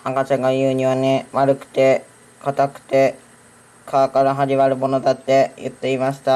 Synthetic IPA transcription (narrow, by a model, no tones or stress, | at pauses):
akat͡ɕãŋɡajɯːɲ̟iβaneβaɾɯ̟kɯ̟̥t̪e̞ | kat̪akɯ̟̥t̪e̞ | kʰakaɾaɦaʑiβaɾɯ̟monot̪at̪ːe̞jɯ̰t̪ːe̞imaɕi̥t̪a